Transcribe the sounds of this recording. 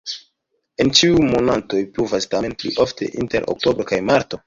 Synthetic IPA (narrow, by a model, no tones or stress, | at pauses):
e̞nt͡ʃiujmonanto̞jpɾuvastamenpliʔo̞ftʰe̞̰ʔinte̞ɾʔo̰k̚to̞bɾokajmaɾto̞